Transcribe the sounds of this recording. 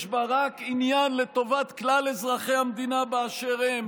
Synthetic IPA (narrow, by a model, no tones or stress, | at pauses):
ʃbaʁakinjanle̞t̪o̞vat̪klalezʁaχe̞jhamd̪inabeaʃeʁem